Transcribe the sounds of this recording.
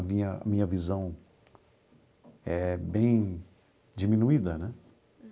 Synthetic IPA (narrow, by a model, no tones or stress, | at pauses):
ɐmĩɲɐɐ̰mĩɲɐvizɐ̃w̃ | ɛbẽj̃ | d͡ʒimĩnuid̪ɐnɛ